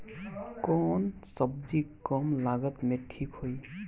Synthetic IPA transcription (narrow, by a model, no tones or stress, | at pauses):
kɔnsɔbzikɔmlaɡɔt̪meʈʰːikʰhoj